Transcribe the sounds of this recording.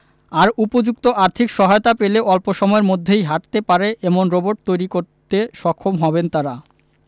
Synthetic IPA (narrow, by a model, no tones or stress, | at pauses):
aɾupod͡ʑuk̚t̪oʔaɾt̪ʰikʃɔɦajot̪apeleʔɔlpoʃɔmɔeɾmod̪ʱːejɦaʈt̪epaɾeʔemonɾoboʈ̚t̪ojɾikoɾt̪eʃɔkʰːomɦɔbent̪aɾa